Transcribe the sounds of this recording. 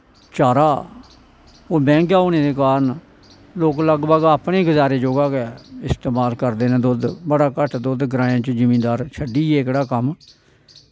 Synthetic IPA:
t͡ʃaːɾaː | oːbɛ̃ːŋkaːoneːd̪eːkaːɾən | loːkləɡbəɡapɳeːɡəzaːɾeːd͡ʒoːɡaːkeɪst̪eːmaːlkəɾd̪eːnẽːd̪ʊd̪bəɽaːkəʈʰd̪ʊd̪ɡɾaːãːt͡ʃd͡ʒɪmĩːd̪aːɾt͡ʃʰəɖiːɛːɪkɽaːkəm

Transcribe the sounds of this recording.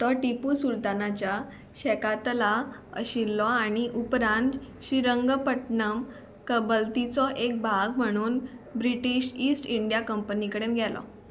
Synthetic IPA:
t̪ɔʈipusult̪anat͡ɕja | ɕɛkat̪la | ə̰ɕilːɔaɽ̃iʔupɾãnt̪ | ɕiɾəŋɡpəʈnəm | kəbəlt̪it͡sɔʔek̚bʱaɡm̤əɽ̃uːnbɾiʈiɕʈisʈiɳɖijakəmpənikəɽenɡʱɛlɔ̰

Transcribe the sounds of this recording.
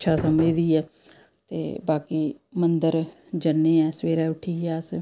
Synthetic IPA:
ʃʰaːsəməd͡ʒd̪iːɛː | t̪ḛːbaːkiːmənd̪əɾ | d͡ʒənːẽːɛːsʋeːɾɛːʊʈʰiːɛːəs

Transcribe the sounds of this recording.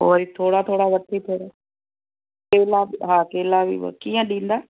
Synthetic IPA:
ɦoːɾit̪ʰoːɽaːt̪ʰoːɽaːʋət̪ʰːiːp̪ʰeːɾɛː | keːlaːɦãːkeːlaːʋḭːkiːãːɗĩːnd̪aː

